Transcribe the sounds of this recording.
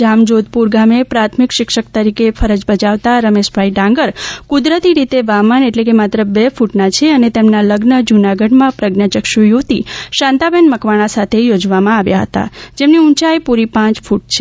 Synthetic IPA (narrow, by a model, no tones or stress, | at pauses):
d͡ʒamd͡ʒod̪̚puɾɡamepɾat̪ʰmikʃɪkʃək̚t̪əɾikefʰəɾəd͡ʒbəd͡ʒaʋt̪aɾəmeʃpaiɖãŋɡəɾkud̪ɾət̪iɾit̪eʋaməneʈlek̬emat̪ɾəbefuʈnat͡ʃʰeənet̪emnaləɡnəd͡ʒunaɡəɖmãpɾəɡnjat͡ʃəkʃujut̪iʃãnt̪abɛnməkʋaɽ̃asat̪ʰejod͡ʒʋamãaʋjaɦə̰t̪a̰d͡ʒemniũnt͡ʃajpuɾipãt͡ʃfʰuʈt͡ʃʰe̥